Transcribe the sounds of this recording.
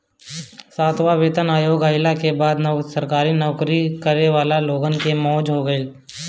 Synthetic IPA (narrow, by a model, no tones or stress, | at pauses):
saːt̪ʰʋaʋeːt̪ənaːjoːɡaːɪlakebaːd̪nsɐɾkaːɾinɔːʊkɾikəɾeʋaːlaloːɡənkemɔːd͡ʒɦoɡəiː